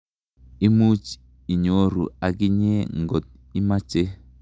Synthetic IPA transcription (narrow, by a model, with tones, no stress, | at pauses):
i˦mu˦t͡ʃ | i˨ɲo˦ɾṵ˨a˨ɡɪ˦ɲe˦ŋɡo˨t̪̚ | i˦ma˦t͡ʃe˦